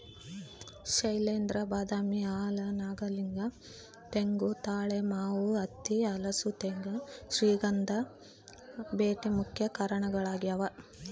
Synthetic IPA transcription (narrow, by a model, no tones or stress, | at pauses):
ʃɐjleːnd̪ɾɐbaːd̪aːmiaːlɐnaːɡɐliŋɡɐ | t̪eŋɡut̪aːɭemaːʋuɐt̪ːiɐlɐsut̪eŋɡɐʃɾiːɡɐnd̪ʱɐ | beːʈemukʰjɐkaːɾɐɳɐɡɐɭaːɡijɐʋɐ